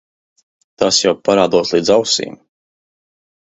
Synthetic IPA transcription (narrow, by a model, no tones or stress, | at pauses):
t̪asjawpaɾaːd̪uɔslˠiːd̪zawsḭːm